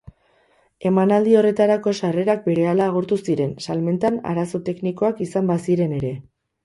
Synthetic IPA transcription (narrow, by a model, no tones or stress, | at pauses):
e̞manald̪io̞re̞t̪aɾako̞ʃare̞ɾak̚be̞ɾe̞alaːɣ̞uɾt̪usiɾe̞nsalme̞nt̪ana̰ɾaso̞t̪e̞kniko̞akisambasiɾe̞ne̞ɾe̞